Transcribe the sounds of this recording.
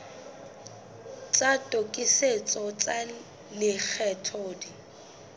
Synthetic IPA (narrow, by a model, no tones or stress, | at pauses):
t͡sʼatʼokʼɪset͡sʼɔt͡sʼa | lɪk͡xʰɛtʰɔːdi